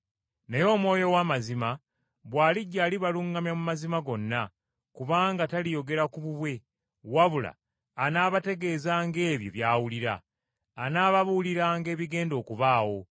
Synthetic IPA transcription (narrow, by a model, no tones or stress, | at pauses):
nejo̞ːmwo̞ːjo̞wamazima | βwaːliɟːaːliβaluŋɡamjamumazimaɡo̞nːa | kuβaːŋɡatalijo̞ɡe̞ɾakuβuβwe̞ | waβula̰ː | naːβate̞ɡe̞ːzaːŋɡe̞ːβjo̞̰βjaːwuliɾa̰ː | naːβaβuliɾaːŋɡe̞ːβiɡe̞ːndo̞ːkuβaːwo̞